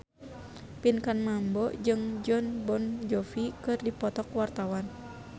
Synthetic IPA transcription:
pinkanmambɔd͡ʒɨŋd͡ʒɔnbɔnd͡ʒɔfikɨrdipɔt̪ɔkwart̪awan

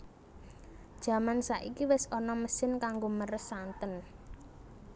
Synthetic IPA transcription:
d̥ʒ̥ä̤mansaʔikiwɪsɔnɔməsɪnkaŋɡoməɾəsːant̪ən

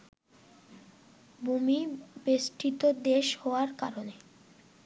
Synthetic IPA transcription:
bʱumibesʈit̪od̪eʃhɔoaɾka̰ɾone

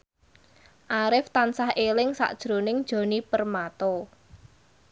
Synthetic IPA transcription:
ʔaɾɪft̪ansahelɪŋsa̰ʔd̥ʒ̥ɾo̤nɪŋd̥ʒ̥o̤nipərmat̪ɔ

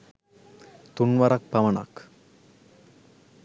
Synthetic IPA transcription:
t̪unʋaɾak̚paʋɐna̰k

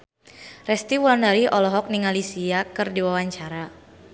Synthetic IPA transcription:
rɛst̪iwuandaɾiʔɔlɔɦɔk̚niŋalisiakɨrdiwawaɲt͡ʃaɾa

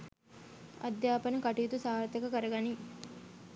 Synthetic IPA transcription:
ɐ̰d̪jaːpɐnɐkɐʈijːt̪usaːɾt̪ɐkɐkɐɾɐɡɐni

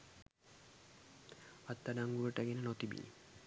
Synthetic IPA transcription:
at̪ːaɖaŋɡuɾoʈakenenot̪ibḭnḭ

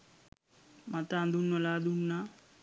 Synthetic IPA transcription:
mat̪aːnd̪unːolaːd̪unːa

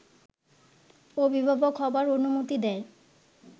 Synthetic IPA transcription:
obibʱabokʰɔbaɾonumot̪id̪ɛe

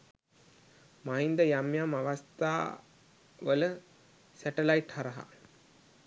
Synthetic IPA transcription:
maɦind̪əjamjamaʋast̪a̰ː | ʋələ | sæʈəlaiʈhaɾɐɦa̰

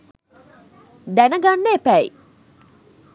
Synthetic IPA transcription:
d̪ænəɡanːeːpæi

